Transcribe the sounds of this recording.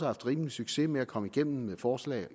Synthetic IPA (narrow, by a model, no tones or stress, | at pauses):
səhɑ̈fd̥ʁiːməlisyɡ̥se̝meækʰɒ̽məiɡ̥en̰m̩meðˠfɒːslɛ̰ː